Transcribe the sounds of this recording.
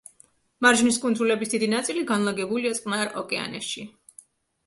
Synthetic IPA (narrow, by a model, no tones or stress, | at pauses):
maɾʒniskʼund̪zulɛbisd̪id̪inat̪sʼiliɡanlˠaɡɛbuliat̪sʼqʼnaɾɔkʼɛa̰nɛ̰sʃi